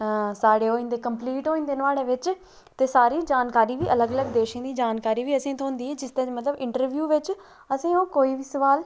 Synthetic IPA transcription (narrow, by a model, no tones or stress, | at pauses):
saːɽeːɦoːĩnd̪eːkəmpliːʈɦoːĩːnd̪eːnəʋaːɽeːʋɪt͡ʃ | t̪eːsaːɾiːd͡ʒaːnkaːɾiːʋiːʔələɡələɡd̪eːʃãːd̪iːd͡ʒaːnkaːɾiːʋiːəsẽːt̪ʰõɦʊ̃nd̪iːeːd͡ʒɪst̪ẽːd͡ʒmət̪ləbɪ̃ɳʈəɾʋjuːʋɪt͡ʃ | əsĩːõːkoːiːʋiːsəʋaːl